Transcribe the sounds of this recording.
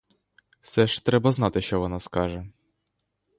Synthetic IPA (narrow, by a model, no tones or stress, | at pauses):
fsɛʂt̪ɾɛbɐznɑt̪ɪʃɔʋɔnɑskɑʒɛ